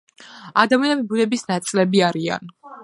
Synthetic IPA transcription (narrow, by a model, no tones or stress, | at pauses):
ad̪amianɛbibunɛbisnat̪sʼlɛbiaɾia̰n